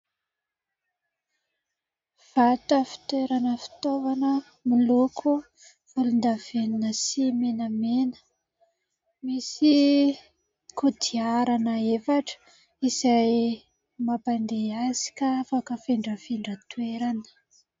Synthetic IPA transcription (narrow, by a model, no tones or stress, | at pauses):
v̥at̪əfi̥t̪weɾanəfi̥t̪ovanə | milukʰu | v̥ulund̪aveninəsimenəmenə̥ | misi | kʰud̪iaɾanəefaʈ͡ʂə̥ | izaj | mapand̪eazi̥kʲaafakəfeɳɖ͡ʐəfeɳɖ͡ʐət̪uweɾanə̥